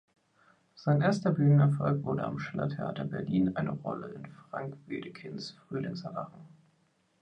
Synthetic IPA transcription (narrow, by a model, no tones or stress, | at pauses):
z̥aɪnʔeːɐstɐbyːnənɛɐfɔlkv̥ʊɐɾə̰a̰mʃɛlɐ̰tʰeʔa̰ːtɐbɛɐliːnʔaɪnəʁɔ̰ləɪnfʁ̥a̰ŋkv̥iːdəkʰɪnsfʁ̥yːlɪŋsɛɐvaχn̩